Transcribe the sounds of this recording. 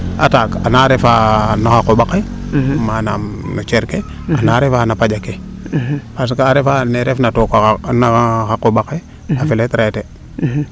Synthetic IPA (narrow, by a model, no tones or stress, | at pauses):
a̰takanaɾefanaxakoɓake | manamnut͡ʃeɾke | anaɾefanapad͡ʒake | pas̬kaːɾefaneɾefnatokanakaxakoɓake | afiletɾate